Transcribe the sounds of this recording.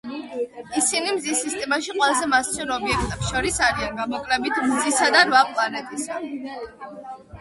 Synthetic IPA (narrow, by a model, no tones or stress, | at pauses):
isinimzisist̪ʼɛmaʃiqʼwɛlˠazɛmasiɔnɔbiɛk̚ʰt̪ʼɛpsʃɔɾisaɾianɡamɔkʼlɛbit̪ʰmzisad̪anvapʼlˠanɛb̪ʰʼisa